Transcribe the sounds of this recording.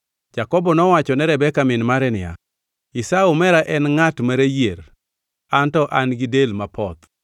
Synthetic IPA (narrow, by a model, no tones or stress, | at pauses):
d͡ʒakɔbɔnɔwat͡ʃɔnɛɾɛbɛkamɪnmaɾɛnɪja̰ | ɪsaumɛɾaʔɛnŋatmaɾejer | antɔʔanɡɪdelmapɔt̪